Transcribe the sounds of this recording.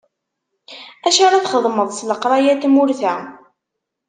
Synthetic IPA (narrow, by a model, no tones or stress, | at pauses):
æʃaɾˤɑθχəðˤməðˤsləqɾˤɑjæt̪mʊɾθæ